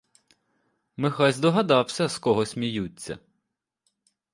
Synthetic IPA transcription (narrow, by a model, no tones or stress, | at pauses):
mɪxɑzʲd̪ɔɦɐd̪ɑwsʲɐskɔɦɔsʲmʲijut͡sʲːɐ̰